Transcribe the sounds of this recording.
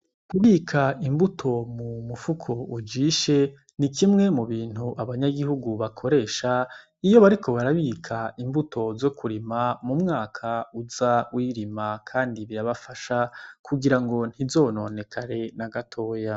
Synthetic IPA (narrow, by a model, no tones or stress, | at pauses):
kuβiːkʰaimbutʰo̞mumufukʰo̞ud͡ʒiʃe̞ | nikʰimŋe̞muβiːn̥huʔaβaɲaɡihuɡuβakʰo̞ɾe̞ːʃa | ijo̞βaɾikʰo̞βaɾaβiːkʰaimbutʰo̞zo̞kʰuɾimamumŋaːkʰauzawiɾimakʰaːndiβiɾaβafaʃakʰuɡiɾaŋɡo̞n̥izo̞ːno̞ne̞kʰaɾe̞naɡatʰo̞ːja